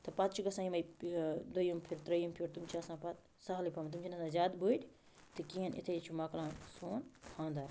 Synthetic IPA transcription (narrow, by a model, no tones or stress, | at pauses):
t̪ɨpɐt̪̚t͡ʃʰuɡɐsãːimɐjd̪ojumpʰiɾt̪ɾɐjumpʰiɾt̪umt͡ʃʰaɐsãːpɐt̪ | saɦlipʰɐmt̪umt͡ʃʰinɐsãzʲaːd̪buiʈ | t̪ɨkiːɐnḭt̪ʰet͡ʃʰumaklãːnsoːnkʰãːnd̪aɾ